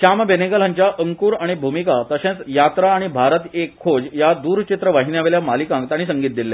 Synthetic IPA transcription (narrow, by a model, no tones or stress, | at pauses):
ɕambenekəl̤ãɲt͡ɕjaʔəŋkuːɾaɽ̃ibʱumikat̪əɕẽt͡sjat̪ɾaːɽ̃ibʱaɾət̪ekʰːod͡ʑjad̪uːɾt͡ɕit̪ɾəʋaɦinjaʋeljamalikãŋkt̪aɽ̃isəŋɡiːt̪̚d̪ilːja